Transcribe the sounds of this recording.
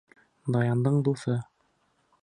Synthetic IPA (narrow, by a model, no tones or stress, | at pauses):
d̪ɑjɑnd̪ɤɴd̪usɤ